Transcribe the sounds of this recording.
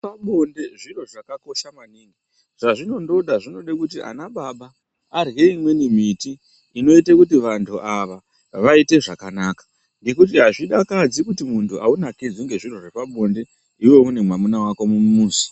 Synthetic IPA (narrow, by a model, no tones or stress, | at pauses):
paɓo̞nde̞ʐiro̞ʐakako̞ʃamaniːŋɡi | ʐ̥aʐino̞ndo̞ɗaʐino̞ɗekutiʔa̰naɓaɓaː | rɣe̞imwe̞nimitiː | no̞itekutiʋantʰuʔaʋa | ʋaite̞ʐakanaːkḁ | ŋɡe̞kutiɦaʐiɗakad͡zikutimuntʰuʔaunakid͡ziŋɡe̞ʐiro̞ʐepaɓo̞nde̞ | iwe̞une̞mwamunawakomumuːsi̥